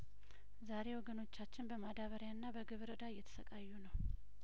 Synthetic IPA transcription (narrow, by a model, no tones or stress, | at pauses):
zaɾe̞wɔɡəno̞t͡ʃːat͡ʃːɪnbəmad̪aβəɾjanːabəɡɨβɨɾɨd̪aɨjːɛt̪ʰə̥səkʼajːunəw